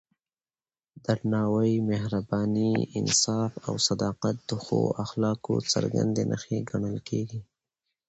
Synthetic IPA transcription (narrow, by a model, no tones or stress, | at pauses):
d̪aɾnɑwəjmehɾabɑniɪ̰nsɑfa̰wsad̪ɑqat̪̚d̪̥əxo̰axlɑko̰t͡sə̰ɾɡa̰nd̪enʔə̰xeɡaɳəlkeɡi